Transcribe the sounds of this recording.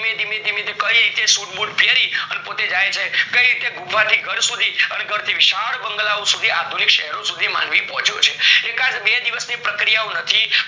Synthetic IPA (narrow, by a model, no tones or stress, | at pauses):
mẽd̪imẽt̪imit̪ekəiɾit̪esuʈbuʈpjeɾiənepot̪ed͡ʒajt͡ʃʰekəiɾit̪eɡubʱat̪ʰiɡʱəɾsud̪ʱiəneɡʱəɾt̪ʰiʋiʃaəɽbəŋɡəlaõsud̪ʱiad̪ʱunikʃɛ̰ɦɛɾosud̪ʱima̰nʋipɔɦɔ̃t͡ʃjot͡ʃʰeekãd͡ʒbed̪iʋəsnipɾəkɾijaonət̪ʰi